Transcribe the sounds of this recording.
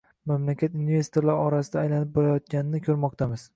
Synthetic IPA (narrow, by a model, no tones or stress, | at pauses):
mamlakʲat̪inve̞st̪oɾlaɾɒɾasɪd̪aːjlanɪp̚bɒɾajɒt̪̚ɡʲanɪnɪkʲʰɵɾmɒq̚t̪ʰamɪz̥